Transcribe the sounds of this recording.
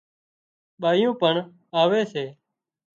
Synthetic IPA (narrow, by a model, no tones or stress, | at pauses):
ɓaːjũːpəɳ | aːʋeːseː